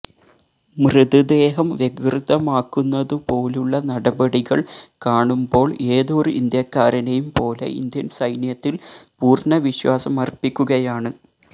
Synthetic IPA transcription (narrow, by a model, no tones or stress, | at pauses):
mrɨðud̪e̞ːɦɐmʋje̞krɨðɐmaːkːunːɐðɨpo̞ːluɭːɐnɐɽɐbɐɽiɣɐɭkaːɳumbo̞ːɭe̞ːðo̞ːrɨind̪jɐkːaːɾɐnejumpo̞ːle̞̰ʔḭnd̪jɐnsɐjnjɐt̪ːilpuːrnɐʋiɕwaːsɐmɐrpːikʲːuɣɐjaːɳɨ